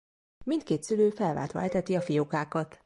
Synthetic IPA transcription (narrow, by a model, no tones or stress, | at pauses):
mint̪̚keːt̪syløːfɛlva̰ːlt̪ʋɒ̰ɛt̪ɛt̪iɒfijokaːkɒt̪